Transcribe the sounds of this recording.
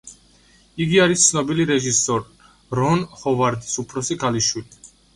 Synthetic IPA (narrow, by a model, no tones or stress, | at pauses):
iɡiaɾist̪sʰnɔbiliɾɛʒisɔɾ | ɾɔnhɔvaɾd̪isupʰɾɔsikʰaliʃwili